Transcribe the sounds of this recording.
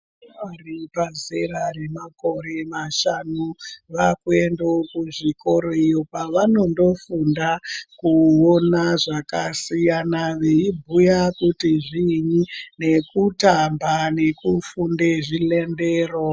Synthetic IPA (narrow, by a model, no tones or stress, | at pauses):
aripazeɾaɾe̞mako̞ɾe̞maʃanuʋakue̞ndookuʐiko̞ɾoijo̞paʋano̞ndo̞fundakuonaʐakasijanaʋeibʱujakutiʐiɲine̞kutambane̞kufundeʐile̞nde̞ːro